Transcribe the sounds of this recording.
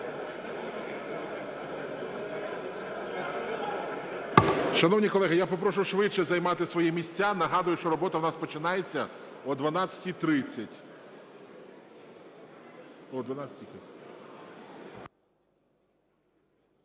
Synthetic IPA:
ʃɐnɔwnʲikɔlˠɛɦɪjapɔp̬ɾɔʃʊʃʋɪt͡ʃːɛzɐjmɑt̪ɪsʋɔjimʲisʲt͡sʲanɐɦɑd̪ʊjʊʃt͡ʃɔɾɔbɔt̪ɐwnɑspɔt͡ʃɪnɑjet͡sʲːɐɔd̪ʋɐnɑt͡sʲɐ̥tʲit̪ɾɪt͡sʲːɐtʲ | ɔd̪ʋɐnasʲɐtʲikɪ

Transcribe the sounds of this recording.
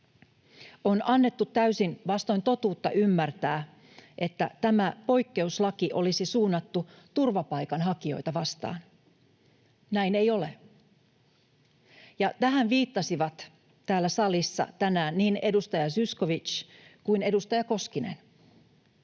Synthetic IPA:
o̞nɑnːe̞t̪ːut̪ːæysinʋɑst̪o̞jnt̪o̞t̪uːt̪ːɑ̰ʔymːært̪æː | ʔe̞t̪ːæ̰t̪æmæpo̞jkːe̞uslɑkiʔo̞lisisuːnːɑt̪ːu | t̪urʋɑpɑjkɑnɦɑkio̞̰jt̪ɑʋɑst̪ɑ̰ːn | næjne̞jo̞le̞ | jɑt̪æɦænʋiːt̪ːɑsiʋɑt̪ | t̪æːlːæsɑlisːɑ̰t̪ænæːnniːne̞dust̪ɑjɑsysko̞ʋit͡ʃkuine̞dust̪ɑjɑko̞skine̞̰n

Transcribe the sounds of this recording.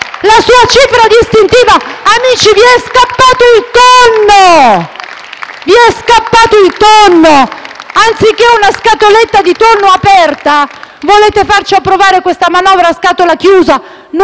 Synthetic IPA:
lasuːat͡ʃiːfɾad̪ist̪int̪iːvaːmiːt͡ʃiviɛskapːaːt̪oilt̪onːo | viɛskapːaːt̪oilt̪onːoant̪sikːeunaskat̪olet̪ːad̪it̪onːoapɛrt̪avoleːt̪efart͡ʃiapːɾovaːɾekwest̪amanɔːvɾaskaːt̪olak̟juːza | n

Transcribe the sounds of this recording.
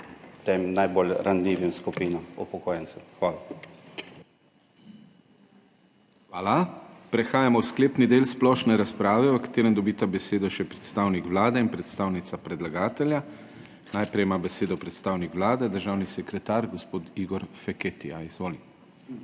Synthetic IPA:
t̪emnajbolɾanliːʋimskupiːnɔmṵpɔkoːjɛnsɛmxʋaːla | xʋaːlapɾɛxaːjamɔwskleːpnid̪eːlsplɔːʃnɛɾaspɾaːʋɛɔkḁt̪eːɾənd̪ɔbiːt̪abɛseːd̪ɔʃɛpɾɛt̪st̪awnikʋlaːd̪ɛinpɾɛt̪st̪aːwnit̪sapɾɛd̪laɡaːt̪ɛlʲja | najpɾɛjmaːbɛseːd̪ɔpɾɛt̪st̪aːwnikʋlaːd̪ɛd̪əɾʒaːwnisɛkɾɛt̪aːɾɡɔspoːt̪iɡɔɾfɛket̪ija̰izʋoːli

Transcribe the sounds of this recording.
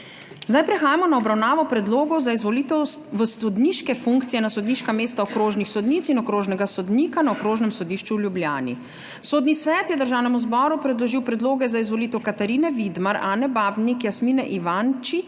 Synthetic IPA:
zd̪ajpɾɛxaːjamɔnaɔbɾawnaːʋɔpɾɛd̪loːɡɔwzaizʋɔlit̪ɛwʋəsɔd̪niʃkɛfuŋkt̪sijɛnasɔd̪niʃkameːst̪aɔkɾoːʒnixsɔd̪niːt̪sinɔkɾoːʒnɛɡasɔd̪niːkanaɔkɾoːʒnɛmsɔd̪iːʃt͡ʃuljublja̰ːnḭ | soːd̪nisʋɛːt̪jɛd̪əɾʒaːwnɛmuzbɔːɾupɾɛd̪lɔʒiwpɾɛd̪loːɡɛzaizʋɔlit̪ɛwkat̪aɾiːnɛʋid̪maɾaːnɛbaːbnikjasminɛʔiʋant͡ʃi

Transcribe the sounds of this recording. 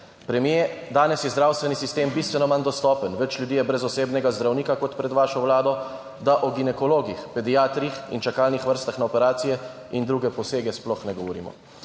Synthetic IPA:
pɾɛmjed̪aːnɛsjɛzd̪ɾaːwst̪ʋɛnisist̪eːmbiːst̪ʋɛnɔmand̪ɔst̪ɔːpənʋɛt͡ʃlʲjud̪ijɛbɾɛzɔseːbnɛɡazd̪ɾawniːkakɔt̪pɾɛd̪ʋaːʃɔwlaːd̪ɔ | d̪aʔɔɡinɛkɔloːɡixpɛd̪ijaːt̪ɾixḭnt͡ʃakaːlnixʋəɾst̪axnaɔpɛɾaːt̪sijɛ | ind̪ɾuːɡɛpɔseːɡɛsplɔxnɛɡɔʋɔɾḭmɔ̰

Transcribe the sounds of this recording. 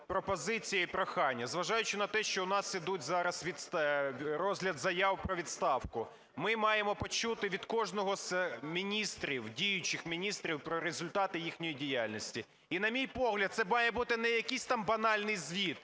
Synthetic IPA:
pɾɔpɔzɪt͡sʲijɐipɾɔxɑnʲːɐzʋɐʒɑjʊt͡ʃɪnɐt̪ɛʃt͡ʃɔʊnɑsːʲɪd̪utʲzɑɾɐsʋʲid̪st̪ɾɔzʲlʲɐd̪zɐjɑwpɾɔʋʲid̪st̪ɑwkʊ | mɪmɑjemɔpɔt͡ʃut̪ɪʋʲid̪kɔʒnɔɦɔzmʲinʲist̪ɾʲiwdʲijʊt͡ʃɪxmʲinʲist̪ɾʲiwpɾɔɾezʊlʲt̪ɑt̪ɪjixnʲɔjidʲijalʲnɔsʲtʲi | inɐmʲijpɔɦlʲɐd̪t̪sɛmɑjɛbut̪ɪnɛjɐkisʲt̪ɑmbɐnɑlʲnɪjzʲʋʲid̪

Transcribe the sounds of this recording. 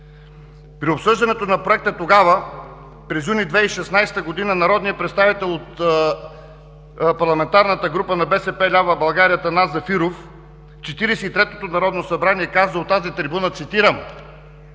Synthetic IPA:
pɾiopsɤʒd̪ɐnɛt̪onɐpɾoɛk̚t̪ət̪oɡavə | pɾɛzjunid̪vɛiʃɛsnajst̪əɡod̪inənɐɾɔd̪nijəpɾɛt̪st̪avit̪ɛlˠot̪ | pɐɾlˠɐmɛnt̪aɾnət̪əɡɾupənɐbɛsɛpɛlʲavəbɐlˠɡaɾijət̪ɐnazɐfiɾof | t͡ʃɛt̪iɾɛsɛit̪ɾɛt̪ot̪onɐɾɔd̪nosɐbɾaniɛkazəot̪ːazit̪ɾibunət̪sit̪iɾəm

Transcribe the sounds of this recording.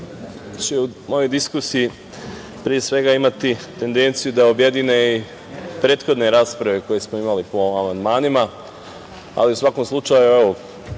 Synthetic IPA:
t͡ɕeumo̞jo̞jd̪iskusiji | pɾie̞sʋe̞ɡaimat̪it̪e̞nd̪e̞nt̪sijud̪aobjed̪ine̞i | pɾe̞ːt̪xo̞d̪neɾaːspɾaʋe̞ko̞je̞smoimalipo̞amand̪maːnima | a̰liusʋako̞mslˠut͡ʃajueʋo

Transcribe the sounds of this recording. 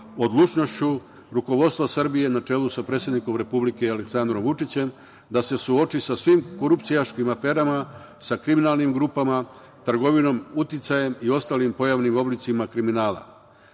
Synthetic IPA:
o̞d̪lˠut͡ʃno̞st͡ɕu | ɾuko̞ʋo̞d̪st̪ʋasr̩bije̞nat͡ʂe̞ːlusapɾe̞t̪sjed̪niko̞mɾe̞publike̞aleksand̪ɾo̞mʋut͡ʂit͡ɕe̞m | d̪ase̞suo̞t͡ʃisasʋimko̞ɾupt̪sijaʃkimafe̞ːɾama | sakɾiminaːlnimɡɾupama | t̪r̩ɡo̞ʋino̞mut̪it̪saje̞mio̞st̪aːlimpo̞jaʋnimo̞blit̪simakɾiminaːla̰

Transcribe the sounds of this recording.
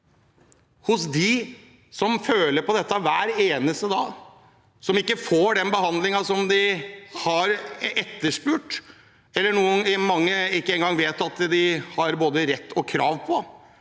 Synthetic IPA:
hʊsd̪ɪ | sɔmføːləɾpɔd̪ɛt̪ːɑʋæːɾeːnəst̪əd̪ɑː | sɔmɪkːəfoːɖɛnbəɦɑnd̪lɪŋɑsɔmd̪ɪhɑɾɛt̪ːəʂpʉːʈ | ɛlːəɳuːənmɑŋːəɪkːəɛːŋɡɑŋʋeːt̪ɑt̪d̪ɪhɑɾboːd̪əɾɛt̪ːɔkʰɾɑːʋpʰɔ

